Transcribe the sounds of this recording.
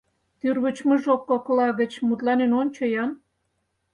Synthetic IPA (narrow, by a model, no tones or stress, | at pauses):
t̪yrβət͡ɕmə̆ʒokːoklɑɣə̆t͡ɕmut̪lɑnenonʲt͡ɕŏjɑn